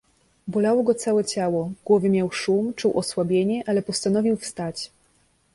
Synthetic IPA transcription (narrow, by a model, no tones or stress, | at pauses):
bɔlawɔɡɔt̪sawɛt͡ɕawɔɡ̥wɔvɘmʲjawʂumt͡ʂuwʔɔswabʲjeɲɛʔalɛpɔst̪anɔvʲiwfst̪at͡ɕ